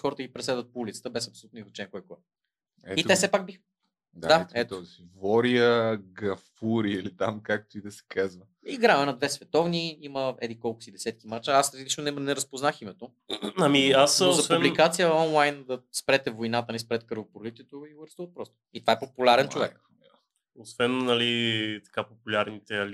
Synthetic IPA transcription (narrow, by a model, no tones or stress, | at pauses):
xɔɾət̪əɡʲipɾɛslɛd̪vət̪̚poulit̪sə̥t̪əbɛsɐpsolʲut̪noizɐt͡ʃɛnkɔjkoɛ | ɛiɛsɛpaɡ̚bix | d̪ad̪aɛt̪ozivɔɾiəɡɐfuɾiilit̪amkak̚t̪oid̪ɐsɛ̥kazvə | iɡɾavɛnɐd̪vɛsvɛt̪ɔvniiməɛ̰d̪ikɔlˠkʊ̥sid̪ɛsɛt̪kimat͡ʃəasɾɛd̪llit͡ʃnonɛnɛɾɐspoznaximɛt̪o | ɐmiasozɐsvɛnblikat̪sijəɔnlˠajnd̪ɐspɾɛt̪ɛvojnat̪ənispɾɛt̪kəɾvoboɾlit̪ɛt̪oiɡəɾsuvət̪̚pɾɔst̪o̥it̪ovaɛpopulʲaɾɛnt͡ʃovɛk | osvɛnnɐlit̪ɐ̥kapopulʲaɾnit̪ɛɐli